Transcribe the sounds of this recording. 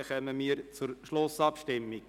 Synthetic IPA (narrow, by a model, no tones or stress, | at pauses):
χœməmiːəɾt͡sʊɾʃlʊsɑpʃtɪmːi̥